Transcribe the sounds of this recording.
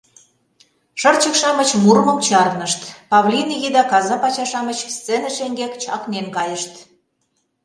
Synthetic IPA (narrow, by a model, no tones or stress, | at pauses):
ʃɤrt͡ɕə̆kʃɑmət͡ɕmurmə̆mt͡ɕɑɾnəʃt̪pɑβlʲiniɣid̪ɑkɑzɑpɑt͡ɕɑʃɑmət͡ɕst͡senəʃeŋɡekt͡ɕɑknenkɑjəʃt̪